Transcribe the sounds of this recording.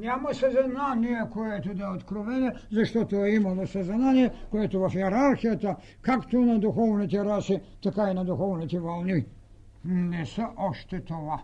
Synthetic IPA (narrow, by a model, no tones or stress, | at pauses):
nemosezananiekojet̪ud̪aot̪kɾoʋenezaʃt̪ot̪ojimalosazananiekojet̪uʋafieɾaɾxijat̪a | kakt̪unad̪uxoʋnit̪iɾasit̪akainad̪uxoʋnit̪iʋalˠni | nɛseʔoʃt̪et̪oʋa